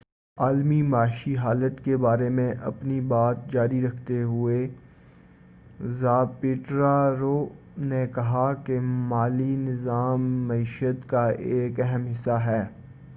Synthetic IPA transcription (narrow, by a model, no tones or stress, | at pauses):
aːlmimaːʃiɦaːlət̪kebaːɾemẽʔɐpnibaːt̪̚d͡ʒaːɾiɾɐkʰt̪eɦʊe | zaːpɪːʈɾaɾoː | nekɐɦakemaːlinɪzaːmːɐiːʃət̪kaeːkɛɦəmɦɪsːaɦɛː